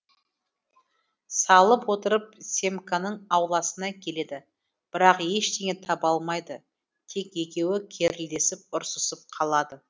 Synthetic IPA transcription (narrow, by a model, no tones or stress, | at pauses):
sɑlˠəpwo̞t̪əɾəp̚sʲe̞mkanəɴɑwlˠɑsənɑkʲʰe̞le̞d̪ɪ | b̥ɪɾɑqje̞ʃt̪eŋʲe̞t̪ʰɑpɑlˠmɑjd̪ə | t̪ʰe̞kje̞kʲe̞wɪkʲʰe̞ɾɪld̪e̞sɪp̚ʊɾsəsəp̚qʰɑlˠɑd̪ə